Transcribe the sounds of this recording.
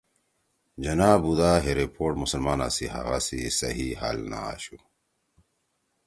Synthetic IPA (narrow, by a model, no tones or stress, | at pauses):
d͡ʑɐnaːbud̪aːɦeɾepʰoːʈmusɐlmaːna̰siɦa̰ɣasisɐɦiha̰ːlna̰a̰ːɕu